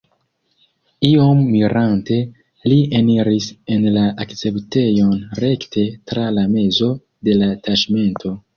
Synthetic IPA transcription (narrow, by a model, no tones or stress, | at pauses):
iomːiɾante̞ | lieniɾisenlaʔakt͡se̞pte̞jo̞nɾe̞ktʰe̞tɾalame̞zo̞ | de̞lataʃme̞ntʰo̞